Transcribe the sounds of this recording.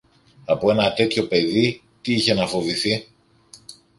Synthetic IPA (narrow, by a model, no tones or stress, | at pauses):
ɐpoe̞nɐt̪e̞t̪ço̞pe̞ði | t̪iiçe̞nɐfo̞viθi